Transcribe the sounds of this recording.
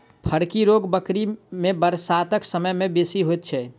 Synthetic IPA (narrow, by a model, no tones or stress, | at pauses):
pʰəɾkiɾoɡbəkɾimebəɾsat̪əksəməjmebesiɦojt̪̚t͡ʃʰɛ